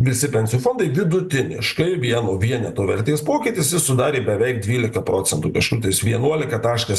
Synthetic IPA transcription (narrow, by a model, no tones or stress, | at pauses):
ʋʲɪsʲɪpʲɛnʲsʲɪjuːfoːnd̪ɐɪʋʲɪd̪ʊt̪ʲɪnʲɪ̰ʃkɐɪʋʲiɛnoːʋʲiɛnʲɛt̪oːʋʲɛɾʲt̪ʲeːspoːkʲɪːt̪ʲɪsjɪsʊd̪ɑːɾʲeːbʲɛʋʲɛɪk̚d̪ʲʋʲiːlʲɪkɐpɾoːt͡s̪ʲɛnt̪uːkɐʃkuːt̪ɐɪsʋʲiɛnuɔlʲɪkɐt̪ɑːʃkɐs